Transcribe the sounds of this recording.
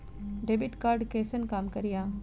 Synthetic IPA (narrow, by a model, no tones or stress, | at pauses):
ɖeːbɪʈkaːɾɖkeːsənkaːmkɐɾijaː